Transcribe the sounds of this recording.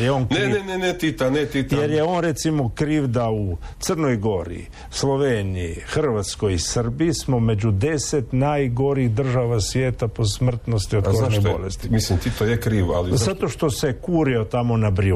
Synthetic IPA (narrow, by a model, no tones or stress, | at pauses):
jeonnenenenet̪it̪anet̪it̪ajeɾjeo̞nɾe̞t̪simo̞kɾiːʋd̪au | t̪sərno̞jɡo̞ɾḭ | slˠo̞ʋeːniixr̩ʋat̪sko̞jisərbismome̞d͡ʑud̪e̞set̪naːjɡo̞ɾiiɣd̪r̩ʒaʋasʋjeːt̪apo̞smr̩t̪nost̪ioozanibo̰lest̪mislimt̪it̪ojekɾiːʋa̰lizat̪o̞ʃt̪o̞se̞kuːɾio̞t̪amo̞nabɾi